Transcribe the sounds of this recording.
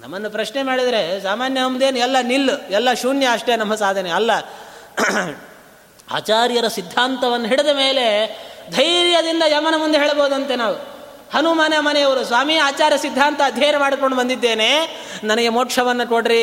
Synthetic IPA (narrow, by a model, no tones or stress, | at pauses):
nɐ̰mːɐnːupɾɐʃne̞maːɽid̪ɐɾesaːmaːnjɐɐmd̪eːnuɛlːɐnilːɛlːɐʃuːnjɐːʂʈe̞nɐmːɐsaːd̪ʱɐneɐlːɐ | a̰ːt͡ʃaːɾjɐɾɐsid̪ʱːaːnt̪ɐʋɐnːɐɦiɽed̪ɐme̞ːle̞d̪ʱɐjɾjɐd̪ind̪ɐjɐmɐnɐmund̪eɦeːɭboːud̪ɐnt̪e̞naːʋu | hɐnumaːnjɐmɐnɛjɐʋɐɾusʋaːmiaːt͡ʃaːɾjɐsid̪ʱːaːnt̪ɐːd̪ʱjeːɾɐmaːɽko̞ɳɖubɐnd̪id̪ːe̞ːneːnɐnɐɡemoːʈʂɐʋɐnːɐkoɽɾi